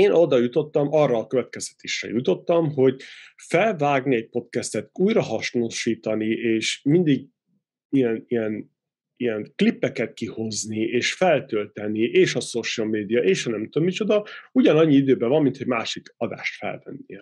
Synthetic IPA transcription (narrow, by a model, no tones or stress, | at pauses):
eːnʔo̞d̪ɒjut̪o̞t̪ːɒmɒrːɒːkø̞vɛt̪̚kɛz̥t̪ɛ̥t̪eːʃrɛ̰jut̪o̞t̪ːɒmɦo̞ɟfɛlvaːɡniɛc̚po̞t̪kɛst̪ɛt̪uːjɾɒɦɒʃnoʃiːt̪ɒnieːʃmind̪iɡ | ijɛnijɛn | ijɛnklipːɛkɛt̪̚kiho̞znieːʃfɛlt̪ølt̪ɛniʔeːʃɒsoʃlmeːd̪ijɒʔeːʃhɒnɛmt̪ommit͡ʃo̞d̪ɒuɟɒnɒɲːiid̪øːbɛvɒmːint̪hoɟmaːʃikɒd̪a̰ːʃt̪fɛ̰lvɛ̰nːḭjɛ